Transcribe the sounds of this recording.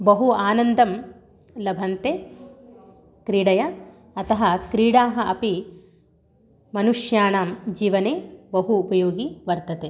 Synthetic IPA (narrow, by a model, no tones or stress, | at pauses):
bɐɦuaːnɐnd̪ɐm | lɐbʱɐnt̪eː | kɾiːɽɐjɐ | ɐt̪ɐɦɐkɾiːɽaːɦɐʔɐpi | mɐnuʂjaːɳaːmd͡ʒiːʋɐneːbɐɦuːpɐjoːɡiʋɐɾt̪ɐt̪eː